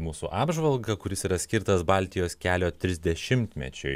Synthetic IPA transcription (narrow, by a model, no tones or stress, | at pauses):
muːsṵʔɑːbʒʋɐlˠɡɐkʊɾʲɪsiːɾɐsʲkʲɪɾt̪ɐsbɑlʲt̪ʲɪjoːskʲæːlʲoːt̪ʲɾʲɪzʲd̪ʲɛʃʲɪmʲt̪ʲmʲɛ̰t͡ʃʲʊ̰ɪ